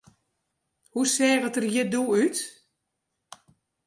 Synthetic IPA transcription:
husɛːɣətərjɪduyt

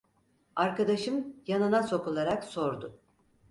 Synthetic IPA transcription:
aɾkad̪aʃɯmjanɯnaso̞kulˠaɾakso̞ɾd̪ʊ

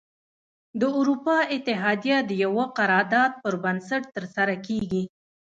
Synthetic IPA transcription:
d̪əuɾupɑɪt̪ɪɦɑd̪ijad̪əjawaqaɾɑɾd̪ɑd̪̚pəɾbansaʈt̪əɾsaɾakeɡi

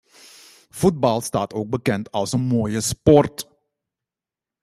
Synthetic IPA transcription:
fut̚bɑlˠstaːtoːk̚bəkɛntɑlˠsənmoːjəspɔrt

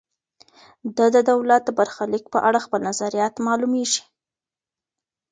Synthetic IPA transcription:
d̪ad̪əd̪awlat̪̚d̪əbaɾxalik̚pəʔaɽaxpəlnazaɾijɑt̪mɑlumeʒi̥

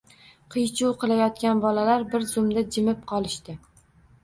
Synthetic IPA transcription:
qʰɨjt͡ʃʰuwqɨlˠajɒt̪kʲanbɒlalaɾbɪɾzʊmd̪ad͡ʒɪmɪp̚qʰɒlˠɪʃt̪ɪ

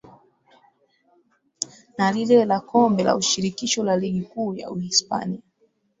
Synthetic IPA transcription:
nalilɛlakɔmbɛla̰uʃiɾikiʃɔlaliɠikuːja̰uhispa̰nia

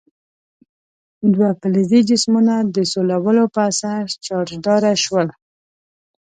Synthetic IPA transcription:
d̪wapəlizid͡ʒɪsmunad̪əsolawəlopəasaɾt͡ʃɑɾd̪ɑɾaʃwəl

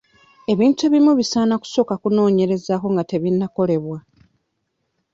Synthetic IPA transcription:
e̞βiːntueβimuβisaːnaku̥so̞kakuno̞ːɲe̞ɾe̞zaːko̞ŋɡate̞βinːako̞le̞βwa

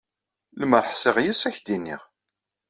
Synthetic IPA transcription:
ləməɾˤħsɪʁjisæçd̪inːḭʁ

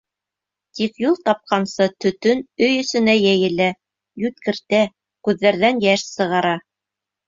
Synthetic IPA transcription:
t̪ikjulˠt̪ɑp̚qɑnsɤt̪ɵ̆t̪ɵnɵjɵ̆sɵ̆næjæjɘ̆læ | jʉt̪̚kɘ̆ɾt̪æ | kʉðːæɾðænjæʃsɤ̆ʁɑɾɑ

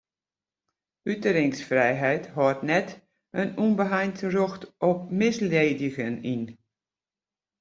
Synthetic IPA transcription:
ytəɾɪŋsfrɛjɦɛjthɔtnɛt | ənunbəɦajntəroxtʔɔpmɪsleːdɪɣənin

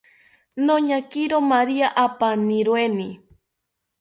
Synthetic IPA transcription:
noɲakiɾomaɾiaʔapaniɾweni

